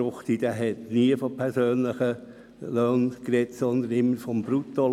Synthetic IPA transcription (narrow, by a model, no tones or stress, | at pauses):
ʊχt̪id̥̪æɦɛtniəfɔpʰɛɾsøːnləχə | løːnkɾɛtsɔnd̪ənɪmːəɾfɔmbɾut̪o